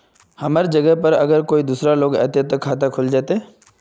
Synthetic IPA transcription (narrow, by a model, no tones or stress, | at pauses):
hɐmaːɾd͡ʒɐɡəɦpɐɾɐɡəɾkoːid̪uːsɾaloːɡɛ̰ːt̪et̪okʰːaːt̪̬akʰʊld͡ʒaːt̪e